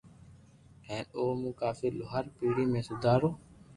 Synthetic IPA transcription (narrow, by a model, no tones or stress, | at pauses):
ɛ̃ːnoːmũːkaːfiːlʊɦaːɾpiːɽiːmẽːsʊd̪ʱaːɾoː